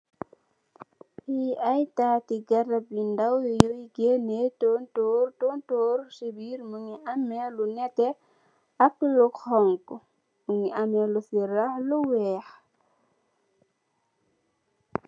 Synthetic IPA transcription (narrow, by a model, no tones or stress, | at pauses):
iajtatiɡaɾap̚lindawjoiɡenetontortontoːɾsibiɾmuŋiʔamːɛlunɛtɛ | aklukhɔŋk | muŋiamɛlufiɾaluwɛx